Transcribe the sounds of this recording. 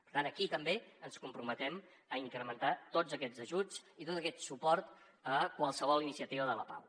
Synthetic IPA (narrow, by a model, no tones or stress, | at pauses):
pəɾt̪anəkit̪əmbeənskumpɾumət̪ɛm | əiŋkɾəmənt̪at̪od͡zəkɛd͡zəʒud͡zit̪ot̪əkɛt̪supɔɾt̪ | əkwəlˠsəβɔlˠinisiət̪iβəðələpa̰w